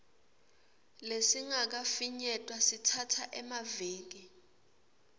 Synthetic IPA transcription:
lesiŋak̬afiɲɛtʼwasitʰatʰaʔɛmaveːk̬i

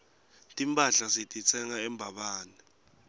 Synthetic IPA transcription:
tʼimpʼaɬasitʼit͡sʰɛŋaɛmbʱaɓaːnɛ

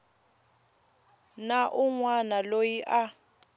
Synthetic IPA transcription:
naʔʊŋwanalojiʔa

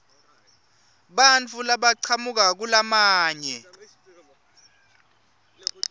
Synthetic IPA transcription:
ɓant͡fʰulaɓaǀʰamuk̬ak̬ulamaːɲɛ

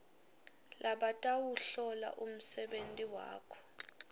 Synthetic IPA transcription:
lʔaɓatʼawuɬɔla̰ʔum̩sɛɓentʼiwa̰ːkʰɔ̥

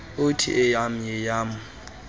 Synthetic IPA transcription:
ʊtʰḭʔɪjam̩jɛjaːmʊ

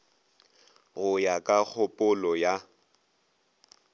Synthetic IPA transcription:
ɣʊjakʼak͡xʰʊpʼʊlɔja

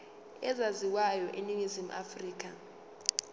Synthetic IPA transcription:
ɛzaziwajɔʔeniŋizim̩ʔa̰friːk̬ʼa

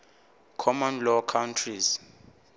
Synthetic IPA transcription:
kʰɔmɔ̃nlɔkʰawntʰriz

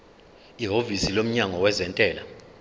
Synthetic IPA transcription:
iɦovisilom̩ɲaŋɔwɛzɛntʼɛːla

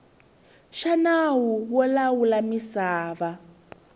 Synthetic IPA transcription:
ʃanawuwɔlawulamisaːβa

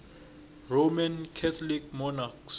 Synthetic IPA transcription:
romankʰɛt̪ʰɔlik̚ʰmɔnaks

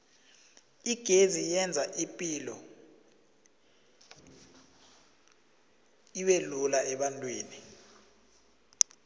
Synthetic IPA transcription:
iɡ̥ʱezijɛnd͡zʱaʔipʼilɔ | iwelulaɛɓantʼweːni

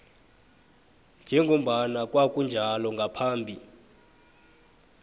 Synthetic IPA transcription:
nd͡ʒʱɛŋɡʱom̩ɓanakʼwakʼund͡ʒʱalɔŋɡʱapʰaːmbʱi

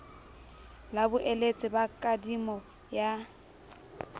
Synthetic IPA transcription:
labʊʔelet͡sʼɪbakʼadimɔ | ja

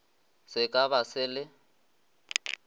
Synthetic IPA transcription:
sɪkʼaβasɪlɪ

